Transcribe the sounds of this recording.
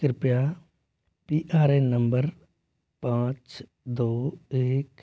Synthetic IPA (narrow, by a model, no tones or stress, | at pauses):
kɾɪpja | piːʔaːɾeːnə̃mbəɾ | pãːt͡ʃ | d̪oːeːk